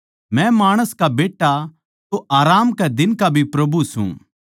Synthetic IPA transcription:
mɛ̃maːɽ̃əskabeːʈːa | t̪oʔaːɾaːmkɛd̪ɪnkabʱipɾɐbʱusṵ̃ː

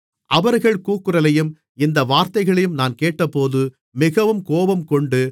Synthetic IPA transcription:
ʔɐʋɐɾɣɐɭkuːkːɯɾɐlɐjɯm | ɪnd̪ɐʋaːɾt̪ɐɪɣɐɭɐjɯmnaːnkeːʈːɐpːoːðɯ | mɪɣɐʋɯmkoːbɐmkɔɳɖɯ

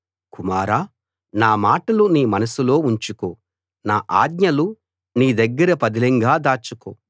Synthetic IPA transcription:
kumaːɾaː | naːmaːʈɐluniːmɐnɐsulo̞ːuɲt͡ʃukoː | naːʔaːɡɲɐlu | niːd̪ɐɡːɐɾɐpɐd̪ilɛŋɡaːd̪aːt͡ʃuko̰ː

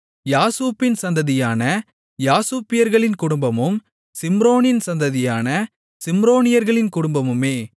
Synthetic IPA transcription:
jaːsuːpːɪnsɐnd̪ɐðɪjaːnɐ | jaːsuːpːɪjɐɾɣɐɭɪnkʊɽʊmbɐmɯm | sɪmɾoːnɪnsɐnd̪ɐðɪjaːnɐ | sɪmɾoːnɪjɐɾɣɐɭɪnkʊɽʊmbɐmɯmeː

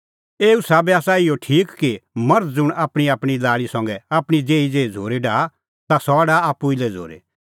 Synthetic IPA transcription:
eːusaːbɛaːsaɪjoʈʰiːkkːimɐɾd͡zʊɽ̃aːpɽ̃iaːpɽ̃ilaːɭisɐ̃ŋɡɛaːpɽ̃id͡zeːid͡zeːid͡zʱoːɾeɖaː | t̪asɔɖaːaːpːuɪlɛd͡zʱo̰ːɾḛ

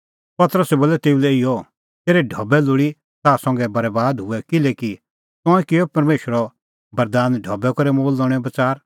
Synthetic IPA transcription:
pɐt̪əɾəsɛboːlɛt̪eːulɛɪjɔ | t̪eːɾɛɖʱɐbɛlʊɽi | t̪aːsɐ̃ŋɡɛbɐɾbaːd̪ɦʊɛkɪleːki | t̪ɔ̃ːɛ̃kɪjɔpɐɾmeːʃəɾɔ | bɐɾd̪aːnɖʱɐbɛkɔɾɛmoːlːɔɽ̃ɛbɐt͡saːɾ

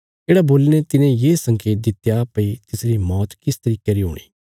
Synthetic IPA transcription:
d͡ʒeːɽaboːlnẽt̪ɪnẽjeːsɐ̃ŋkeːt̪̚d̪ɪt̪japɐit̪ɪsɾimɔːt̪kɪst̪ɐɾiːkeɾiɦo̰ːɽ̃ḭː

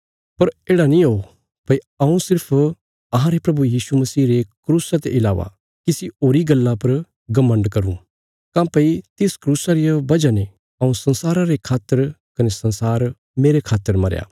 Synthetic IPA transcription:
pɐɾeːɽanĩoo | pɐi | ɐũsɪɾpʰ | ɐɦãɾepɾɐbujiːsumɐsiːɾekɾuːsat̪eʔɪlaːʋa̰ | kisioːɾiɡɐlːãpɐɾ | ɡɐmːə̃ɳɖkɐɾṵ̃ | kãːpɐit̪ɪskɾuːsaɾijabɐd͡ʒanẽ | ɐːũsɐ̃nsaːɾaɾekʰaːt̪ːəɾkɐnesɐ̃nsaːɾ | meːɾekʰaːt̪ːəɾmɐɾja̰ː

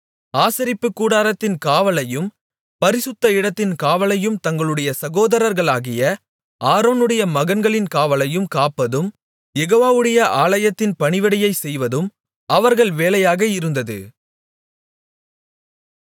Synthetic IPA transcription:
aːsɐɾɪpːɯkːuːɽaːɾɐt̪ːɪnkaːʋɐlɐjɯm | pɐɾɪsɯt̪ːɐɪɽɐt̪ːɪnkaːʋɐlɐjɯmt̪ɐŋɡɐɭɯɽɐjɐsɐɣoːðɐɾɐɾɣɐɭaːɣɪjɐ | ʔaːɾoːnɯɽɐjɐmɐɣɐnɡɐɭɪnkaːʋɐlɐjɯmkaːpːɐðɯm | jɛɣoːʋaːʋɯɽɐjɐʔaːlɐjɐt̪ːɪnpɐɳɪʋɐɽɐjɐɪsɛjʋɐðɯm | ʔɐʋɐɾɣɐɭʋeːlɐjaːɣɐɪɾɯnd̪ɐðɯ̰

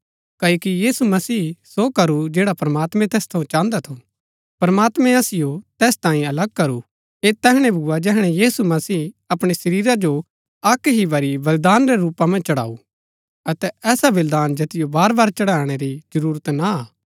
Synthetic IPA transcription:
kɐːoːkijiːsumɐsiːsokɐɾud͡ʒeːɽapɾɐmaːt̪mɛ̃t̪ɛːst̪ʰɐũt͡ʃãːnd̪at̪ʰo | pɐɾmaːt̪mɛ̃ɐsɪjot̪ɛːst̪ãːĩɐlɐɡ̚kɐɾu | et̪ɛːɦɽ̃ɛ̃bʱuad͡ʒɛːɦɽ̃ɛjiːsumɐsiːɐpɽ̃esɐɾiːɾad͡ʒo | ɐkːɦibɐɾibɐld̪aːnɾeɾuːpamɐ̃nt͡ʃɐɽa̰ːu | ɐt̪ɛɛːsaʋɐld̪aːnd͡ʒɐt̪ɪjobaːɾbaːɾt͡ʃɐɽaːɽ̃eɾid͡ʒɐɾuːɾət̪naaː

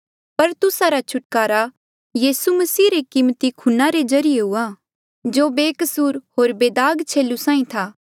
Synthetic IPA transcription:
pɐɾt̪ʊsaɾat͡ʃʰʊʈkaːɾa | jiːsumɐsiːɾekɪmt̪ikʰʊnaɾezɐɾɪjeɦʊaː | d͡ʒoːbeːkəsuːɾɦoːɾbeːd̪aːɡt͡ʃʰeːlusãːĩt̪ʰaː

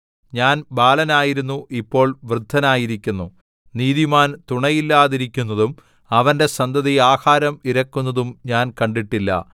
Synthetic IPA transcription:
ɲaːnbaːlɐnaːjiɾunːuʔipːo̞ːɭʋrɨd̪ʱːɐnaːjiɾikʲːunːu | niːðimaːnt̪uɳɐjilːaːðiɾikʲːunːɐðum | ɐʋɐnde̞sɐnd̪ʱɐðiaːhaːɾɐmiɾɐkːunːɐðumɲaːnkɐɳɖiʈːilːɐ̰

